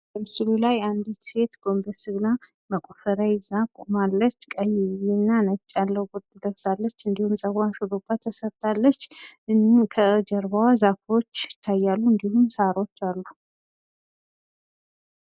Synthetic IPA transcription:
bəmɨsɨlulajand̪it̪se̞t̪ɡ̥o̞mbəsɨɡna | məkʼofəɾajzakʼomalːət͡ʃːkʼəjɪβinːanət͡ʃʼːalːəhwɡod̪ɡ̪əβsalːət͡ʃːɨnd̪ihumsʼəɡaʃuɾobːat̪ʰːəsəɾt̪ʰʼalːət͡ʃːɨnkʰəd͡ʒəɾβawazafo̞t͡ʃːɪt̪ʰːajːalːuɨnd̪ihumsaɾo̞t͡ʃːalːu

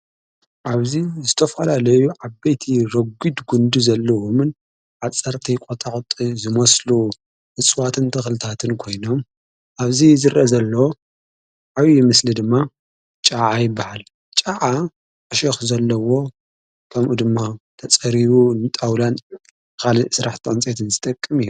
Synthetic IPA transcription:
ʔaβzizɨt̪ʰɐfɐlalɐjuʕaβɐjt̪ʰiɾɐɡid̪ɡund̪uzɐlːɐwomɨn | ʕat͡sʼːɐɾt̪ʰikʼot̪ʼaqʼt̪ʼizɨmɐslu | ʔɨt͡sʼwat̪ʰɨnt̪ʰɨxlɨt̪ʰat̪ʰɨnkʰo̞jno̞m | ʔaβzizɨɾʔɐzɐlːɐwo | ʕawijimɨslid̪ɨmːa | t͡ʃʼaʕajɪbːahal | t͡ʃʼaʕa | ʔɐʃɐxzɐlːɐwo̞ | kʰɐmʔud̪ɨmːat̪ʰɐt͡sʼɐɾiβunɨt̪ʼawlan | kʰalisɨɾaħt̪ʰiʕɨnt͡sʼet̪ʰɨnzɨt̪ʼɐkʼːɨmiju

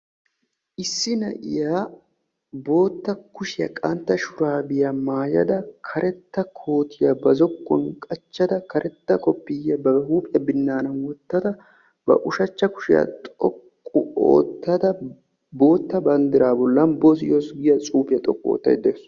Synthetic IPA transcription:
ʔɪsːɪnɐ̰ʔɪ̰jaː | bo̞ːt̪ːɐkʊʃɪjɐ̰kʼɐnt̪ːɐʃʊɾaːbɪjɐmaːjɐ̰d̪ɐkʰɐɾʔɛt̪ːɐkʰo̞ːt̪ʰɪjɐbɐzɔkʼːɔnkʼɐt͡ʃːɐd̪ɐkɐɾʔɛt̪ːɐkʰʼɔpːɪjɐbɐhuːpʼɪjɐbɪnːaːnɐnwɔt̪ːɐd̪ɐ | bɐ̰ʔʊʃɐt͡ʃːɐkʊ̥ʃɪjɐ̰t̪ʼɔkʼːʊo̰ːt̪ːɐd̪ɐ | bo̞ːt̪ːɐbɐnd̪ɪɾaːbɔlːɐnbosɪjoːsɡɪjɐt͡sʼuːpɪjɐt̪ʼɔ̰kʼːo̰ːt̪ːɐ̰jd̪eːs

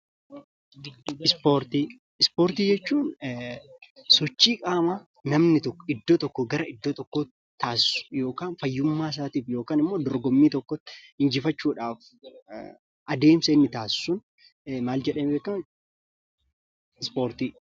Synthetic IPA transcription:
ɪspoːɾt̪i | ɪspoːɾt̪iːd͡ʒɛt͡ʃːuːn | sɔt͡ʃːiːkʼaːma | nɐmnɪt̪ɔkːɔɪd̪ːoːt̪ɔkːɔɡɐɾɐʔɪd̪ːot̪ɔkːoː | t̪ʰaːsɪsʊ̥jo̞ːkaːnfɐjːʊmːaːs̬aːt̪iːfjo̞ːkaːnɪmːo̞ːd̪ɔɾɡɔmːiːt̪ɔkːɔt̪ːhɪnd͡ʒɪfɐt͡ʃːuːᶑaːf | ʔɐd̪e̞ːmsenːɪt̪aːssʊn | maːld͡ʒɛᶑɐːmbeːkːɐm | ɪspoːɾt̪iː

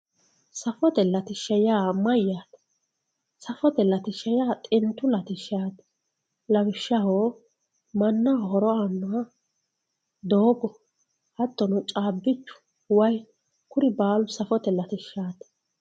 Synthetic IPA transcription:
sɐfɔt̪ɛlɐt̪ɪʃːɐjaːmɐjːaːt̪ | sɐfɔt̪ɛlɐt̪ɪʃːɐjaːt̪ʼɪnt̪ːʊlɐt̪ɪʃaːt̪ | lɐɡɪʃːɐhoː | mɐnːɐhɔɾɔɐnːʊwɐ | d̪oːɡɔ | hɐt̪ːɔnʊt͡ʃʼaːbːɪt͡ʃːʊ̥ | wɐj | kʊɾɪbaːlʊsɐfɔt̪ɛlɐt̪ɪʃːaːt̪

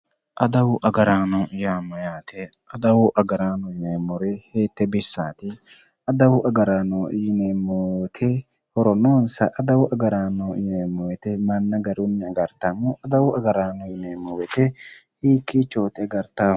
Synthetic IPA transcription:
ʔɐd̪ɐwʊʔɐɡɐɾaːnɔjaːmɔjaːt̪ɛ | ɐd̪ɐwʊʔɐɡɐɾaːnɔjɪnemɔɾɛheːt̪ːɛbɪsːaːt̪ɪ | ɐd̪ɐwʊʔɐɡɐɾaːnɔnemɔt̪ʰɛ | hɔɾɔnoːnsɐʔɐd̪ɐwʊʔɐɡɐɾaːnɔnɛmːɔjɛt̪ɛmɐnːɐɡɐɾʊnːɪɐɡɐɾt̪ːɐmʊɐd̪ɐwʊɐɡɐɾaːnɔjɪnemːɔwɛt̪ɛhiːkːit͡ʃːoːt̪ɛɡɐɾt̪a

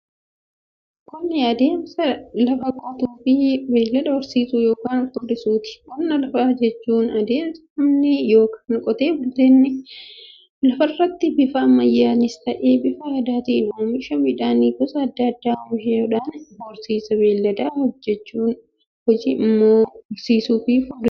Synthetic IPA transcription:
kɔnːɪɐd̪e̞ːmsɐlɐfɐkʼɔt̪uːfɪbe̞ːlːɐd̪ɐɔɾsiːsujo̞ːkaːnɐkːɔd̪ɪsuːt̪ɪ̥kɔnːɐlɐfaːd͡ʒɛt͡ʃːuːnɐd̪eːmsɐ̥ɐmnɪjo̞ːkʰaːnkʼɔt̪eːbɐd̪enːɪ | lɐfɐrːɐt̪ːɪbɪfɐmɐjːaːnɪst̪ɐʔeːbɪfɐɐd̪aːt̪iːnʊmɪʃɐmɪᶑaːniːɡɔsɐːd̪ːɐɐd̪ːaːʊmɪʃɪoːᶑaːnɔɾsiːsɐbeːlːɐd̪aːhɔd͡ʒːɛt͡ʃːuːn | hɔd͡ʒɪɪmːoːɔɾsiːsuːfɪfʊd

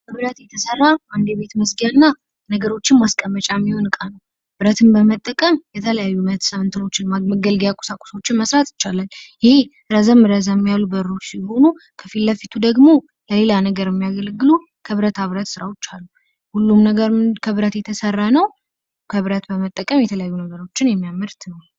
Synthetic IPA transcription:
kəβɨɾət̪jɛt̪ʰəsərːaʔand̪eβe̞t̪məsɡijanːa | nəɡəɾo̞t͡ʃːɪnmaskʼəmːət͡ʃʼamːiho̞nɨkʼanəw | b̥ɨɾət̪ʰɨnbəmət̪ʼːəkʼəmjɛt̪ʰələjajːumət̪ʰsəmɨnt̪ʰɨno̞t͡ʃːɪnmaɡəɡəlɡjakʼo̥sakʼo̥so̞t͡ʃːɪnməsɾat̪jɪ̥t͡ʃːalaljɪhe̞ | ɾəzəmːɨɾəzamːijalːubəɾːo̞t͡ʃːsijho̞nukʰəfilːəfit̪ʰud̪əɡmo̞ | ləle̞lanəɡəɾɛmːijaɡəlɡɨlu | kʰəβɾət̪ʰaβɾət̪sɨɾawot͡ʃːalːu | hulːumnəɡəɾkʰəβɨɾət̪jɛt̪ʰəsərːanəw | kʰəβɨɾət̪bəmət̪ʼːəkʼəmjɛt̪ʰələjajːunəɡəɾo̞t͡ʃːɪnjɛmːijamɨɾt̪nəw

